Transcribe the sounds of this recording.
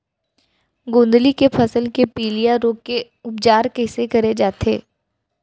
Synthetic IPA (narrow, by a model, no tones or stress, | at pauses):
ɡõːnd̪likepʰɐsəlkepiːlijaɾoːɡkːe | ʊp̚d͡ʒaːɾkɛːsekɐɾed͡ʒaːt̪ḛː